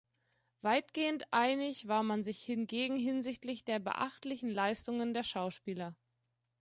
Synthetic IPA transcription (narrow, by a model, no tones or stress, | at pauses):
v̥aɪtɡ̥eːəntʔaɪnɪçv̥aːɐmanzɪçhɪnɡeːɡŋ̩ɦɪnzɪçtlɪçd̥eːɐbə̰ʔa̰χtlɪçn̩laɪstʊŋəndeːɐʃaʊʃpiːlɐ